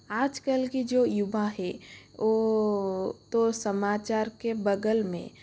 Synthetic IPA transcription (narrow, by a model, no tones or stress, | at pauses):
aːd͡ʒkəlkid͡ʒoːjʊbaɦɛo | t̪osəmaːt͡ʃaːɾkebəɡəlmḛ̃